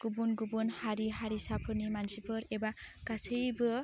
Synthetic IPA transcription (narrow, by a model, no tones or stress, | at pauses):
ɡ̥ubunɡubunhaɾiɦaɾisapʰɯɾnimansipʰɯɾeba | kasɯjbɯ